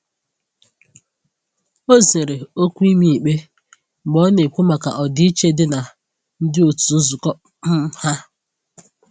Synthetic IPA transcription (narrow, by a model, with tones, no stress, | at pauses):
o˦ze˨ɾe˨o˦kʷi˦mi˦i˨k͡pe˦ | ɡ͡bɔ˦ne˨kʷu˦ma˨ka̰˨ʔɔ˨dɪ˦i˦t͡ʃe˦dɪ˦na˨ | n̩˦dɪ˦o˨tu˨˦zʊ˨kɔ˦ | m̩˦ha˦